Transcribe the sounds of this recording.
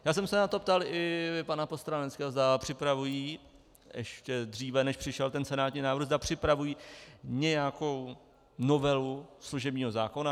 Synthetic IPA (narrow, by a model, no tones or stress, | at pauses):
jaːs̬ɛmsɛnat̪o̞pt̪alʔɪpanapost̪ɾanɛt͡skɛːɦozd̪apr̝̥ɪpɾavujiː | ʔɛʃcɛdr̝iːvɛnɛʃpr̥ɪʃɛlt̪ɛnsɛnaːt̪ɲiːnaːvɾɣzdapr̝̥ɪpɾavujiːɲɛjako̞w | novɛlusluʒɛbɲiːɦo̞zaːkona